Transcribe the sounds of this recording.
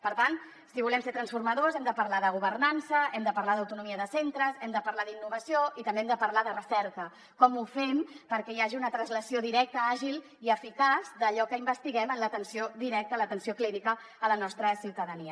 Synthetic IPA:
pəɾt̪an | siβulɛmseɾt̪ɾənsfuɾməðozɛmd̪əpəɾlaðəɣuβərnansəɛmd̪əpəɾlaðəwt̪unumiəðəsent̪ɾəzɛmd̪əpəɾlaðinːuβ̞əsioit̪əmbeɛmd̪əpəɾlaðərəsɛɾkə | kɔmufɛmpəɾkɛjaʒiunət̪ɾənzləsioðiɾɛk̚t̪əaʒilˠ | iəfikazðəʎɔkəimbəst̪iɣɛmənlət̪ənsioðiɾɛk̚t̪ələt̪ənsiokliɾikəː | lənɔst̪ɾəsiwt̪əðəniə

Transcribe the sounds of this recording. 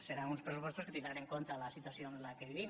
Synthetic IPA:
seɾaŋunspɾes̬upost̪osket̪ind̪ɾaneŋkont̪alasit̪uasjonlakeβiβim

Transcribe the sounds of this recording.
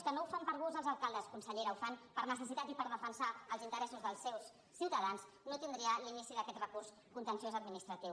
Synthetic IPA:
skənowfampəɾβuzəlˠzəlˠkalˠd̪əskunsəʎeɾaufanpəɾnəsəs̬it̪at̪ipəɾðəfənsaəlˠzint̪əɾɛsuzðəlˠsːɛwsː | iwt̪əðanz | not̪ind̪ɾiəlinisiðəkɛt̪rəkurs | kunt̪ənsiozəd̪minist̪ɾət̪iw

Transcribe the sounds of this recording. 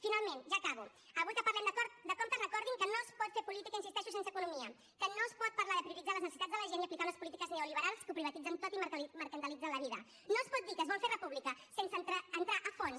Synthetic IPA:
finalˠmẽnʒakaβu | əβujt̪kəpɐɾlɛmd̪əkɔɾt̪̚d̪əkɔmt̪əzrəkɔɾðiŋkənoəspɔt̪feɾpulit̪ikəinsist̪ɛʃusens̬əkunumiə | kənoəspɔt̪̚pɐɾlaðəpɾiuɾid͡zaləznəsit̪add͡zzðələʒeniəɐplikaunəspulit̪ikəzneuliβəɾalˠskupɾiβət̪id͡zənt̪ot̪imməɾkənt̪əlid͡zənləβiðə̰ | noəspɔt̪d̪ikəzβɔlferəpuβlikəsensənt̪ɾəːnt̪ɾaʔəfɔns

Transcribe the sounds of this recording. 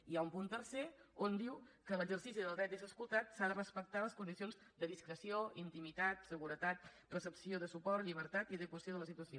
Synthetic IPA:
iaumpunt̪ərseond̪iwkələɡzərsisiðəlˠd̪ɾɛt̪ezəskulˠt̪at̪saðərəspək̚t̪aləskund̪isionzd̪əðiskɾəsioint̪imit̪at̪səɣuɾət̪at̪ | rəsəpsioðəsupɔrt̪ʎiβ̞əɾt̪at̪iðəkwəsioðələsit̪uəsijo

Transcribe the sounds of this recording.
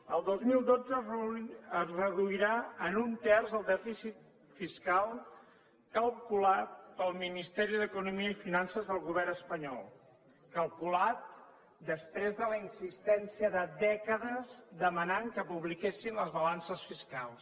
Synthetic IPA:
əlˠd̪ozmilˠd̪od͡zə | əzrəðuiɾaənunt̪ɛrzəlˠd̪ɛfisit̪̚ | fiskalˠ | kəlˠkulat̪̚pəlˠminist̪ɛɾiðəkunumiəifinansəzðəlˠɣuβɛrnəspəɲɔlˠ | kəlˠkulat̪̚ | d̪əspɾezðələinsist̪ɛnsiəðəd̪ɛkəðəzd̪əmənaŋkəpuβlikesinləzβəlansəsfiskalˠs

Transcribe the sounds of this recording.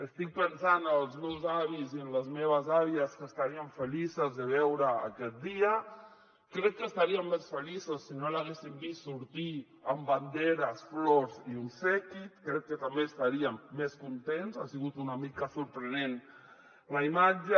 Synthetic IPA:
əst̪ik̚pənsanəəlˠzmewzaβiziənləzmeβ̞azaβiəskəst̪aɾiəɱfəlisəzðəβ̞ɛwɾəːkɛt̪̚d̪iə | kɾɛk̚kːəst̪aɾiəmːesfəlisəsːinolaɣesimbistsːuɾt̪i | əmband̪eɾəsfloɾziunsɛkit̪kɾɛk̚kːət̪ambeːst̪aɾiəmːeskunt̪enzasiɣut̪unamikəsuɾpɾənen | ləimad͡ʒə

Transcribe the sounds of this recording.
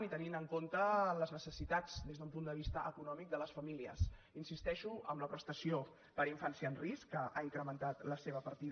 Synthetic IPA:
nit̪əninəŋkont̪ələznəsəsit̪ad͡zd̪ezðəumpund̪əβ̞ist̪əʔəkunɔmik̚d̪ələsfəmiliə̰s | insist̪ɛʃuə̰mləpɾəst̪əsio | pəɾiɱfansiəːnriskːəʔaiŋkɾəmənt̪at̪ləseβ̞əpəɾt̪i

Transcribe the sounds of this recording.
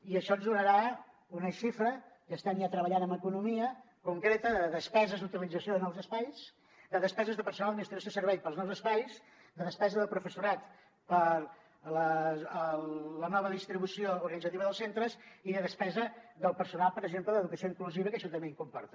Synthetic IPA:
iəʃɔnzðunəɾa | unəʃifɾəkəst̪anjat̪ɾəβəʎanəməkunumiə | kuŋkɾet̪əðəðəspɛzəzd̪ut̪ilid͡zəsioðənɔwzəspajs | d̪əðəspɛzəzðəpəɾsunalˠd̪minist̪ɾisosəɾβɛjpəlˠznɔwzəspajs | d̪əðəspɛzəðəlˠpɾufəsuɾat̪ | pəɾ | ləələnɔβəðist̪ɾiβusiouɾɣənidd͡zət̪iβəðəlˠsent̪ɾəziðəðəspɛzəðəlˠpəɾsunalˠpəɾəɡʒempləðəðukəsijoiŋkluziβəkəʃɔt̪əmbeiŋkumpɔ̰ɾt̪ə̥

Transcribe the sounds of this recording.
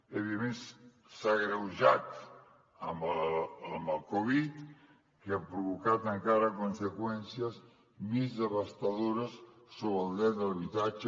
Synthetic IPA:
eβimẽn | saɣɾawʒat̪ | ambaambalkoβit̪ | keapɾoβokat̪aŋkaɾakonsekwɛnsjas | mizd̪eβast̪aðuɾasː | oβald̪ɛd̪alaβit̪at͡ʃ

